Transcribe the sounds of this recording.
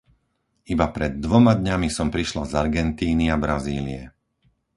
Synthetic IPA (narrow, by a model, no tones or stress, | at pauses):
ibapɾɛd̪ːʋɔmad̪ɲamisɔmpɾiʃlazaɾɡɛnt̪iːniabɾaziːliɛ